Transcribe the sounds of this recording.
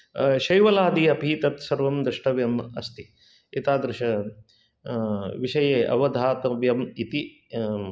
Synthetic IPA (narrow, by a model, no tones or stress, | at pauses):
ʃɐjʋɐlaːd̪iɐpiːt̪ɐt̪sɐɾʋɐmd̪ɾɨʂʈɐʋjɐmɐ̰st̪i | it̪aːd̪ɾɨʃɐ | ʋiʃɐjeːʔɐ̰ʋɐd̪ʱaːt̪ɐʋjɐmit̪i